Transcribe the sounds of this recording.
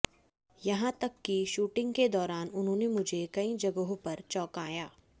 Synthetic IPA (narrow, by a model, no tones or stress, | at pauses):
jɐɦãt̪ɐkːiʃuːʈɪ̃ŋɡked̪ɔːɾaːnʊnɦõːnemʊd͡ʒʱekɐĩd͡ʒɐɡəɦõpɐɾt͡ʃɔːkaːjaː